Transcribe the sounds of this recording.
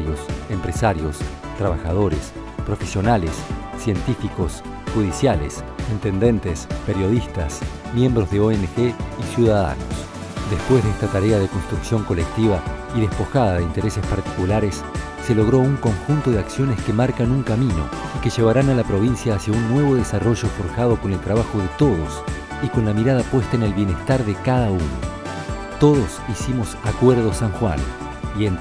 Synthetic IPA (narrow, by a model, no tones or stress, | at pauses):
josempɾesaɾjo̞st̪ɾaβaxað̞o̞ɾes | pɾo̞fesjo̞nalesːje̞nt̪ifiko̞s | xuðisjalḛsint̪e̞nd̪e̞nt̪espeɾjo̞ðist̪asmje̞mbɾo̞zðeoenexeisjuðaða̰no̰s | d̪espwe̞zðeest̪at̪aɾeaðe̞ko̞nst̪ɾuksjo̞ŋko̞lek̚t̪iβaiðespo̞xað̞aðe̞int̪e̞ɾesespaɾt̪i̥kulaɾesː | e̞lo̞ɣ̞ɾo̞uŋko̞ŋxunt̪oðeaksjo̞neskemaɾkanuŋkamĩno̞̰ike̞ʒe̞β̞aɾanalapɾo̞β̞insjaːsjaunːwe̞βo̞ð̞esaro̞ʒo̞fo̞ɾxaðo̞ko̞ne̞lt̪ɾaβaxo̞ðet̪o̞ð̞os | iko̞nlamiɾaðapwe̞st̪aene̞lβje̞nest̪aɾðekaðauno̰ | t̪o̞ðo̞sisimo̞sakweɾðo̞saŋxwa̰n | ien